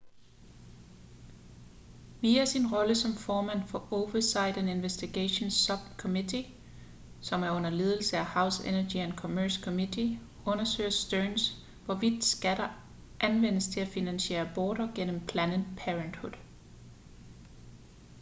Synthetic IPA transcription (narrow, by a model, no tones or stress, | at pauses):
ʋiːæsinʁɒ̽ləsɒ̽mfɒːmæn̰fɒ̽ʔoʊʋɐsɑ̈ɪ̰d̥æne̝nʋesd̥iɡ̥æɕonsɒb̥kʰɒmidʰi | sɒ̽mæɐɔ̽n̰ɐle̝ːð̞ˠl̩səæhɑ̈ʊsenɐɡ̥iænkʰɒmøɐskʰɔmidʰi | ɔ̽nɐsø̰ːɐsd̥øʊns | ʋɒʋid̥sɡ̥æɾ̥ɐ | ʔænʋen̰əst͡sʰe̝læfinænɕe̝̰ːɐb̥ɒːɾ̥ɐɡ̥en̰əmpʰlænəd̥pʰeʁənd̥hud̥ˠ